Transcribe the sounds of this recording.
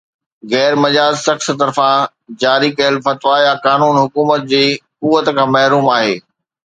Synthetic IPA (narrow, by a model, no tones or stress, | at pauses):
ɣɛːɾmɐd͡ʑaːd͡ʑsɐxs̆t̪ɐɾfã | d͡ʑaːɾikɐjəlfɐt̪ʋajakaːnuːnɦʊkuːmət̪̚d͡ʑeːkuːʋət̪kʰãːmɐɦɾuːmaːɦeː